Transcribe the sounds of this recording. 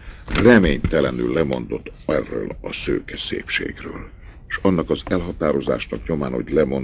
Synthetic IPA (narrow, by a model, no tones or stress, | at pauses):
rɛmeːɲt̪ɛlɛnylːɛmo̞nd̪o̞t̪ːɛrːø̰ːlɒsøːkɛsḛːpʃḛːɡrøːl | ʃɒnːɒkɒzɛlɦɒt̪aːɾo̞za̰ːʃnɒkɲo̞maːnho̞ɟlɛmo̞n